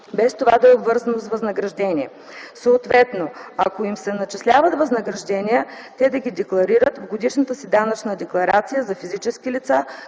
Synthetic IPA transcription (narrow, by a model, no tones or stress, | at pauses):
bɛst̪ovad̪ɐobvɤɾzɐnosvɐznɐɡɾɐʒd̪ɛniɛ | soːt̪vɛt̪noɐkoimsɛnɐt͡ʃɛslʲavət̪vɐznəɡɾɐʒd̪ɛnijə | t̪ɛd̪ɐɡʲid̪ɛklˠɐɾiɾət̪vɡod̪iʃnət̪əsid̪anɐt͡ʃnəd̪ɛklˠɐɾat̪sijəzɐfizit͡ʃɛskilit̪sa